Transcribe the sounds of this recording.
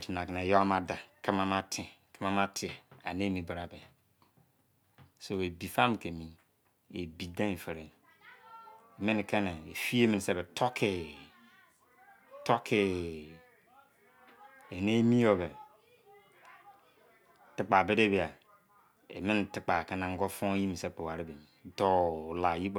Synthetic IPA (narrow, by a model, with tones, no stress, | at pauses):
ti˨na˨ke˨ne˨jo˦ma˨da˨ki˦ma˦ma˦tʰi˨ki˦ma˦ma˦tʰi˦e˨a̰˨ne˦mi˨ba˨ɾa˨be˨ | so˨e˨bi˨fa˦m˨ke˨mi˨ | e˨bi˨da˦˨fe˨ɾe˨n | e˨mi˦n˨ke˦ne˨e˨fi˦e˦mi˨n˨se˦˨be˨tʰo˦kʰe˨ | to˦kʰe˨ | e˨ne˦mi˦o˨be˨ | ti˨k͡pa˨be˦de˦be˨a˨ | ḛ˨mi˦n˨ti˨k͡pa˨ke˦na˨ŋ̩˦ɡo˦fo˦ŋ˦ji˦mi˨se˦˨k͡pe˨wa˨ɾi˦be˨mi˨do˦˨la˨ji˦k͡p